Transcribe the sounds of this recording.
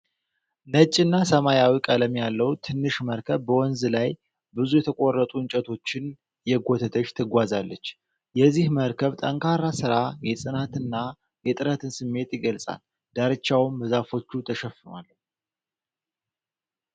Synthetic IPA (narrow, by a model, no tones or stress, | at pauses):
nət͡ʃʼːɨnːasəmajawikʼələmjalːəwt̪ʰɨnːɨʃməɾkʰəβbəwɔnzɨlaj | bɨzujɛt̪ʰəkʼorːət̪ʼuɨɲt͡ʃʼət̪ʰo̞t͡ʃːɪn | jɛɡʷo̞t̪ʰət̪ʰəʃt̪ʰɨɡʷazalːət͡ʃː | jɛzːihməɾkʰəβt̪ʼəŋkʰaɾasɨɾajɛsʼɨnat̪ɨnːa | jɛt̪ʼɨɾət̪ʰɨnsɨmːe̞t̪jɪɡəlsʼa̰l | d̪̥aɾɨt͡ʃːawmbəzafo̞t͡ʃːut̪ʰəʃɛfɨna̰lː